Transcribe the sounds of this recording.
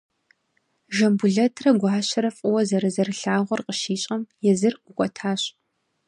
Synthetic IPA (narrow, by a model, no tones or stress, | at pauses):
ʒɐmbuɮɐtʰrɐɡʷɑːɕɐɾɐfʼɨwɐzɐɾɨzɐrɨɬaːʁʷɔrqʼəʃiːɕʼɐmjɛzɨrʔʷʊkʷʼɔtʰaːɕ